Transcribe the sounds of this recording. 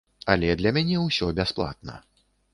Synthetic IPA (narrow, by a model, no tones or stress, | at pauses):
ɐlʲɛd̪lʲɐmʲanʲɛwsʲɔbʲasplˠa̰t̪̚nɐ̰